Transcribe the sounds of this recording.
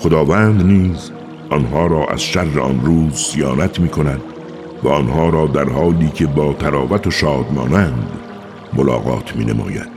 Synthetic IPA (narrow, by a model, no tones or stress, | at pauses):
xod̪ɒːvænd̪niːz | ʔɒnɦɒːɾɒːʔæ̰z̥ʃærːḛʔɒ̰nɾuːzsijɒːnæt̪ʰmiːkʰonæd̪ | væɔnhɒːɾɒːd̪æɾhɒːliːkʰe̞bɒːt̪ʰæɾɒːvæt̪ʰoʃɒːd̪mɒ̰ːnænd̪ | molɒ̰ːɣɒ̰ːt̪ʰmḭːnʔḛmɒ̰ːjæ̰d̪̥